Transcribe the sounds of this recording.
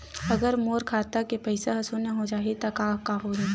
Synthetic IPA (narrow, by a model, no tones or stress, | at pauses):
ɐɡəɾmoːɾkʰaːt̪akepɐɪsaɦɐsuneɦod͡ʒaːɦet̪akaːkaːɦoːɾẽ